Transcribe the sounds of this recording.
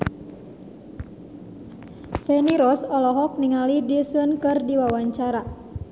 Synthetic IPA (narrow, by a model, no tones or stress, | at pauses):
fɛniɾɔsɔlɔɦɔk̚niŋalidisənkɨrdiwawaɲt͡ʃaɾa